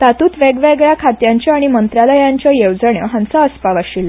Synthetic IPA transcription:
t̪at̪uːt̪ʋeɡʋeɡɭjakʰat̪jãɲt͡ɕjaaɽ̃imənt̪ɾaləjãɲt͡ɕjajewd͡zəɳjəɦãnt͡saəspaʋaɕilːa

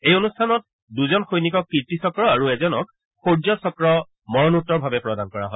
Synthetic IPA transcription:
ejonustʰanɔt̚ | duzɔnxojnikɔkːiɹtisɔkɹɔaɹuɛzɔnɔ̰k̚ | xoɹd͡ʒɔsɔkɹɔ | mɔɹɔnutːɔɹbʱabɛpɹɔdankɔɹaɦɔj

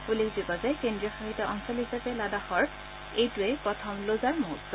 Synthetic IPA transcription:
pulikzibɔzɛkendɹiɔxɔɦitɔɔŋsɔlɦisapɛladaxɔɹ | ejtʊɛpɹɔtʰɔmlozaɹmotz

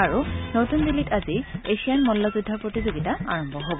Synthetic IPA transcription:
aɹunotundilitazieʃianmɔlːɔzudʱːapɹotizoɡitaa̰ɹɔmbʱɔɦobɔ

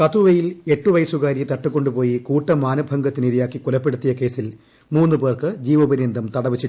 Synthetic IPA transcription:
kɐt̪uʋɐjile̞ʈːuʋɐjsuɣaːɾit̪ɐʈːukːo̞ɳɖupo̞ːjikuːʈːɐmaːnɐbʱɐŋɡɐt̪ːiniɾijaːkːikulɐpːe̞ɽut̪ːijɐke̞ːsil | muːnːɨpe̞ːrkɨd͡ʑiːʋɐbɐɾind̪ʱɐmt̪ɐɽɐʋit͡ɕːi

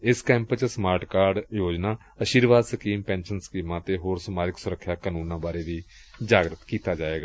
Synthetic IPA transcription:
ɪskɛ̃ːmpt͡ʃəsmaːɾʈkaːɾɖjoːd͡ʒnaː | əʃiːɾʋaːd̪səkiːmpɛ̃ːnʃənsə̥kiːmãːt̪eːɦoːɾsəmaːd͡ʒɪksʊɾəkʰːjaːkaːnuːnãːbaːɾeːd̪iːd͡ʒaːɡɾət̪kiːt̪aːd͡ʒaːeːɡaː

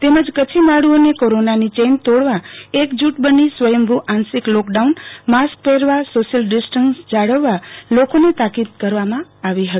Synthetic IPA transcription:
t̪eməd͡ʒkət͡ʃʰimaɽuonekoɾonanit͡ʃent̪oɽʋaekd͡ʒuʈbənisʋəjəmbʱuʔãnsiklɔkɖaunmask̚peɾʋasoʃəlɖɪsʈənsd͡ʒaɽəʋːalokonet̪akid̪̚kəɾʋamãaʋiɦət̪i̥

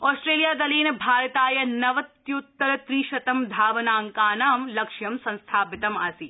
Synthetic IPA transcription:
ɔːsʈɾeːlijaːd̪ɐliːnɐbʱaːɾɐt̪aːjɐnɐʋɐt̪jut̪ːɐɾɐt̪ɾiːʃɐt̪ɐmd̪ʱaːʋɐnaːŋkaːnaːmlɐkʂjɐmsɐ̃nst̪ʰaːpɪt̪ɐmɐsi

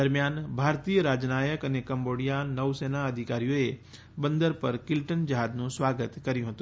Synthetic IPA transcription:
əɾmjaːnbʱaːɾt̪ijəɾaːd͡ʒnaːjəkənekə̃mboɽijanəʋseːnaəd̪ʱikaːɾijoe | bə̃nd̪əɾpəɾkɪlʈənd͡ʒəɦaːd̪nũsʋaːɡət̪kɐɾjũɦət̪ũ

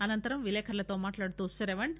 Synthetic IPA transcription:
ɐnɐnt̪ɐɾɐmʋileːkʰɐɾɐlɐt̪oːmaːʈlaːɽt̪usɐɾeʋɐɳ

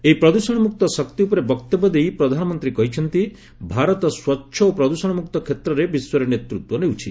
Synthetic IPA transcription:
eipɾɔd̪usɔɽ̃ɔmuk̚t̪ɔsɔk̚t̪iupɔɾebɔkt̪ɔbɔd̪ejpɾɔd̪ʱanɔmɔnt̪ɾikɔɦit͡ʃʰɔnt̪i | bʱaɾɔt̪ɔswɔtːʃʰɔopɾɔd̪usɔɽ̃ɔmuk̚t̪ɔkʰet̪ɾɔɾebiswɔɾenet̪ɾut̪wɔnewt͡ʃʰi

